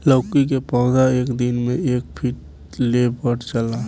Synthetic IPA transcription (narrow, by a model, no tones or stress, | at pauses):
ləːkik̬epɔːd̪aeːkd̪ɪnmẽeːk̚pʰɪʈ̚ | lebəɽt͡ʃəla